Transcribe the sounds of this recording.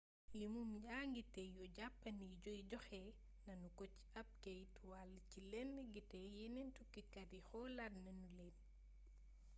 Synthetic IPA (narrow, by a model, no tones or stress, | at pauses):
jimumjaːŋɡitɛjɔɟapːɐniɟɔjɟɔxɛ | nɐnukɔc | ɐp̚kɛjtuwalcilɛnːəɡitɛjinɛntukːikɐdixɔladnɐnulɛːn